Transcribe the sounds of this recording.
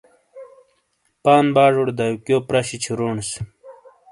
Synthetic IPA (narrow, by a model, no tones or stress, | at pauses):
paːnbaːʐoɽd̪ajukjoːpɾaɕit͡ɕʰiɾoːɳs